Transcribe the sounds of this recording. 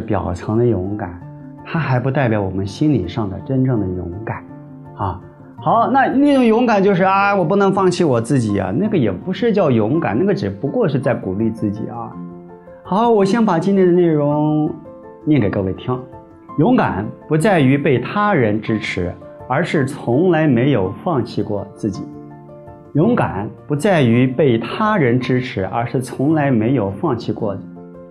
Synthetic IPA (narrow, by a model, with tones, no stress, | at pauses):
pjɑ̰˨˩ʊʈ͡ʂʰɤ˧˥ŋd̪ə˧jʊ˧˥ŋka̰˨˩˦n | t̪ʰa˥xa˧˥ɪpu˧˥t̪a˥˩ɪpjɑ˧˥ʊwɔ˨˩mə˦nɕi˥nli˨˩ʂɑ˥˩ŋd̪ə̰˩ʈ͡ʂə˥nʈ͡ʂɤ˥˩ŋd̪ə˩jʊ̰˧˥ŋka˨˩˦n | a˧ | xɑ˨˧˦ʊna˥˧ne˥˩ʈ͡ʂʊ˨˩ŋjʊ˧˥ŋka˨˩nt͡ɕjo˥˧ʊʂɻ̩˥˩a˧wɔ˨˩p̬u˥˩nɤ˧˥ŋfɑ˥˧ŋt͡ɕʰi˥˩wɔ˨˩t͡sɹ̩˥˩t͡ɕi˨˩ɐ̰˦na˥˩ɡə˩jɛ˨˩pu˧˥ʂɻ̩˥˧t͡ɕjɑ˥˩ʊjʊ˧˥ŋka̰˨˩na˥˩ɡə˩ʈ͡ʂɻ̩˨˩pu˧˥kwɔ˥˧ʂɻ̩˥˧t͡sa˥˩ɪku˨˩li˥˧t͡sɹ̩˥˩t͡ɕḭ˨˩˦ɐ̰˧ | xɑ˧˦ʊwɔ˨˩ɕjɛ˥npa˨˩t͡ɕi˥nt̪ʰjd̪ə˧ne˥˩ɪɻʊ˧˥ŋ | njɛ˥˩ŋke˨˩ɪkʰwe˥˩ɪt̪ʰjɑ˥ʊ | jʊ˧˥ŋka̰˨˩˦npu˧˥t͡sa˥˩ɪy˧˥pe˥˩ɪt̪ʰa˥ɻə˧˥nʈ͡ʂɻ̩˥ʈ͡ʂʰɻ̩˧˥ | ə˞˧˥ʂɻ̩˥˩t͡sʰʊ˧˥ŋla˧˥ɪme˧˥ɪjo˨˩ʊfɑ˥˧ŋt͡ɕʰi˥˧kwɔ˥˧t͡sɹ̩˥˩t͡ɕḭ˨˩˦ | jʊ˧˥ŋka̰˨˩˦npu˧˥t͡sa˥˩ɪy˧˥pe˥˩ɪt̪ʰa˥ɻə˧˥nʈ͡ʂɻ̩˥ʈ͡ʂʰɻ̩˧˥ʔə̰˞˧˥ʂɻ̩˥˩t͡sʰʊ˧˥ŋla˧˥ɪme˧˥ɪjo˨˩ʊfɑ˥˧ŋt͡ɕʰi˥˧kwɔ˥˩də˩